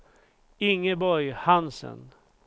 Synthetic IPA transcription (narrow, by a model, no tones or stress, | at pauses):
ɪŋːəbɔɾjhansə̰n